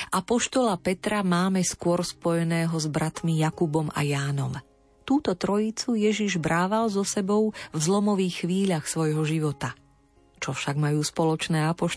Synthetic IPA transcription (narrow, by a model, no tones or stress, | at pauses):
ʔapɔʃt̪ɔlapɛt̪ɾamaːmɛskʊɔɾspɔjɛnɛːɦɔzbɾat̪mijakubɔma̰jaːnɔm | t̪uːt̪ɔt̪ɾɔjit͡sujɛʒiʒbɾaːʋalzɔsɛbɔʊvzlɔmɔʋiːxːʋiːʎaxsʋɔjɦɔʒiʋɔt̪a | t͡ʃɔfʃaɡmajuːspɔlɔt͡ʃnɛːapɔʃ